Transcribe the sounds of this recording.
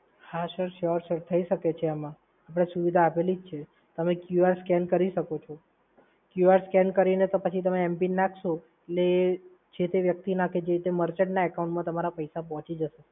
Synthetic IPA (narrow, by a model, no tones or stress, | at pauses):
haʃəɾʃəɾsəɾt̪ʰəiʃəket͡ʃʰeamã | ap̬ɽ̃esuʋid̪ʱaːpelid͡ʒt͡ʃʰe | t̪əmekjuaɾskɛnkəɾiʃəkot͡ʃʰo | kjuaɾskɛnkəɾinet̪opət͡ʃʰit̪əmeːmpinːakʰʃõ | eʈle | d͡ʒet̪eʋjək̚t̪inaked͡ʒeɾit̪eməɾt͡ʃeʈnaɛkaũɳʈmãt̪əmaɾapəjsap̬ɔɦɔ̃t͡ʃid͡ʒəʃe